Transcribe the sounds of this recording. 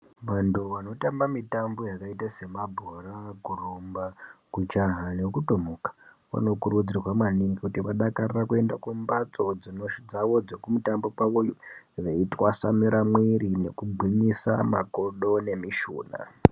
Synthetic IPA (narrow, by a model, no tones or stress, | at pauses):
ʋantuʋano̞tambamitambo̞jakaitase̞mabʱoraɡʱurombakut͡ʃaɦanekutomokḁ | ʋa̰no̞kuɾud͡zirwamaniŋɡikutiʋaɗakarirakue̞ndakumbat͡so̞d͡zino̞ʃud͡zawo̞d͡zokumutambo̞kaʋojuʋeitwasamiɾamwiɾine̞kubʱiɲisa̰makoɗo̞ne̞miʃṵːna̰